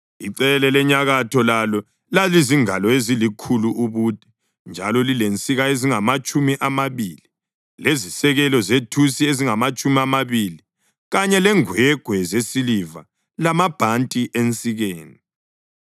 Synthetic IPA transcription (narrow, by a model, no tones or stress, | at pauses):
iǀɛlɛlɛɲaɣatʰɔlalɔ | laliziŋalɔezilikʰuluʔuβud̥ʼʱɛ̥ | nd͡ʒʱa̰lɔlilent͡sʼiɣaeziŋamat͡ʃʼumiʔamaβiːli | lezisɛɣɛlɔzetʰusieziŋamat͡ʃʼumiamaβili | ɣaɲɛlɛŋwɛɡ̥ʱwɛzesiliva̰ | lamab̥ʱantʼiʔent͡sʼiɣeːni